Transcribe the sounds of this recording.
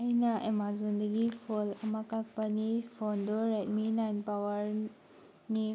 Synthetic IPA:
ajnɐʔemazund̪ɐɡipʰolɐmakak̚pɐnipʰɔndɔɾet̚minajnpawɐɾ | ni

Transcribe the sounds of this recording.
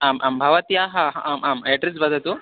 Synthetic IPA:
aːmʔaːmbʱɐʋɐt̪jaːɦɐɦɐaːmʔaːmɐːʈɾisbɐd̪ʱɐt̪u

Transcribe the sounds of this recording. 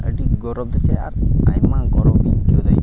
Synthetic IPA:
ə̰ɖiɡɔɾɔb̚d̪ɛsɛa̰ɾa̰jmãɡɔɾɔbinkiɔd̪aj

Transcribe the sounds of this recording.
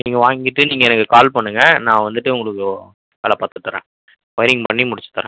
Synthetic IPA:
niːŋɡɐʋaːŋɡɪʈːɯniːŋɡɐɛnɐkːɯkaːlpɐɳːɯŋɡɐnãːʋɐnd̪ɯʈːɯʊŋɡɐɭɯkːɯ | ʋɐlɐpaːɾt̪ɯt̪ːɯɾḛ̃ː | ʋɐjɪɾɪŋɡpɐɳːimʊɽɪt͡ʃːɯ̥t̪ːɐɾḛ̃ː

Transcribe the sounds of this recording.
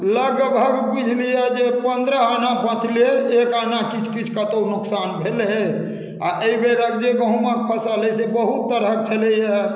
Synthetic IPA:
ləɡbʱəɡbud͡ʒʱlijɛd͡ʒepənd̪ɾəɦanapə̃t̪ʰleekanakit͡ʃʰkit͡ʃʰkət̪onuksanbʱelɦe | aʔeibeɾəkd͡ʒeɡə̃ɦũmə̃k̚pʰəsəlesebəɦut̪ːəɾək̚t͡ʃʰələjɛ

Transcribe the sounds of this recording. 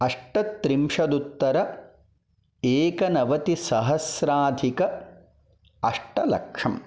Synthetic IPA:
ɐʂʈɐt̪ːɾimʂɐd̪ut̪ːɐɾɐ | eːkɐnɐʋɐt̪isɐɦɐsɾaːd̪ʱikɐ | ɐʂʈɐlɐ̰kʂɐm

